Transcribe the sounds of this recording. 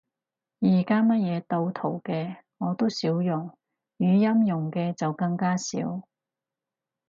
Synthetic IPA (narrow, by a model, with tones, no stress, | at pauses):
jiː˨˩kaː˥mɐ˥t̚jɛː˨˧t̪o˧wt̪ʰo˨˩wkɛː˧ | ŋɔː˨˧t̪o˥wsiː˨˥wjʊ˨˩ŋ | jyː˨˧jɐ˥mjʊ˨˩ŋkɛː˧t͡sɐ˨wkɐ˧ŋkaː˥sḭː˨˥w